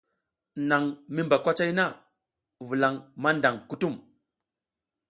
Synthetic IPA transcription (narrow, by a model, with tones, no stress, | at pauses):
na˨ŋmi˦mba˨kʷa˦t͡ʃa˦jna˦˨ | vu˨la˨ŋma˦nda˨ŋku˦tu˦˨m